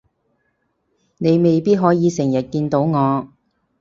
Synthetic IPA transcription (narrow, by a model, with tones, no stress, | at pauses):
ne˨˧jme˨jpiː˥t̚ɦɔː˨˥jiː˨˧sɪ˨˩ŋjɐ˨t̚kiː˧nt̪o˨˥wŋɔː˨˧